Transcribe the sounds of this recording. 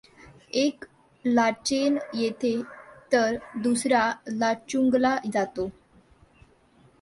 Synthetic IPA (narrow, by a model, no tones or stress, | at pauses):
ek | lat͡ɕenjet̪ʰet̪əɾd̪usɾalat͡ɕuŋɡlad͡zat̪o